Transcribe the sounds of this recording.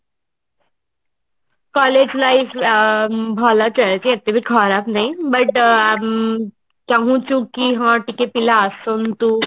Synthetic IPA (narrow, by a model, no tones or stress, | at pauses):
kɔled͡ʑnai | bʱalat͡ɕəɭat͡ɕeet̪əbʱikʰaɾat̪naibəʈ | t̪ãɦũt͡ɕũkiɦãʈikepilaəsont̪u